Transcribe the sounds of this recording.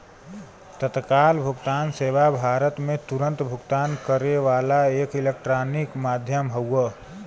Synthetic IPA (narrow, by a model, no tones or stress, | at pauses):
t̪ət̪kalbʱuɡt̪anseʋabʱaɾət̪met̪uɾə̃nt̪bʱuɡt̪ankəɾeʋalaekilek̚ʈɾanikmad̪ʱjəmɦəwə